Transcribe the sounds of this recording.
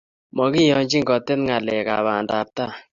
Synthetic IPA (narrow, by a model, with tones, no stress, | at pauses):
mɔ˨ki˦jɔ˨ɲd͡ʒi˦ŋɡɔ˨te˦nŋa˨lɛ˨ka̰˨βa˨nda˨ta˦˨